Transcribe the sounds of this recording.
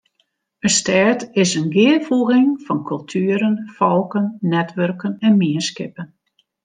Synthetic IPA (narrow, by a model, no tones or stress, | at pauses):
əstɛɹtɪsənɡɪəfuəɣɪŋfɔnkʰɵlˠtʰyːəɾənfɔlˠkənːɛtʋørkənɛnmiəskɪpən